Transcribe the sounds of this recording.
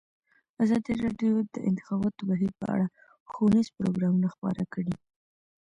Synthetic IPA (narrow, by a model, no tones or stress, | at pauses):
azɑd̪iɾɑɖjod̪əʔɪ̰nt̪ɪ̥xɑbɑt̪obaɦiɾpə̰a̰ɽa | xonizpɾoɡɾɑmunaxpɑ̰ɾakɽi